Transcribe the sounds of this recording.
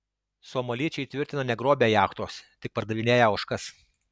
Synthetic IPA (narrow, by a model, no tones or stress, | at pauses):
soːmɐlʲiːt͡ʃʲɛɪt̪ʲʋʲɪɾʲt̪ʲɪnɐnʲɛɡɾoːbʲejɑːxt̪oːst̪ʲɪk̚pɐɾd̪ɐʋʲɪnʲeːjɛɐʊʃkɐs